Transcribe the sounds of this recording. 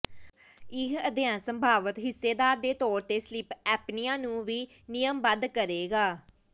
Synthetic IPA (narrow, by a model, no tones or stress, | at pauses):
ɪkəd̪jãːnsəmbʱaːʋət̪ɦɪsːeːd̪aːɾd̪eːt̪ɔːɾt̪eːslɪpɛːpnɪjãːnũːʋiː | nɪjəmbənd̪kəɾeːɡaː